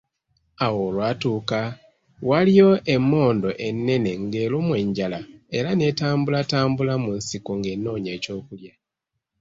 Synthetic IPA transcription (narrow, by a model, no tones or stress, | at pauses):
awoːlwaːtuːka | walijo̞ʔe̞mːo̞ːndo̞ʔe̞nːe̞ne̞ŋɡe̞ːlumwe̞ɲɟalae̞ɾane̞taːmbulataːmbulamunsikuŋɡe̞nːo̞ːɲe̞ːco̞ːkulja